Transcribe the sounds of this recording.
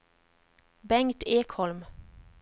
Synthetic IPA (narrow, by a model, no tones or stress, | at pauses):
bɛŋt̪eːkhɔlm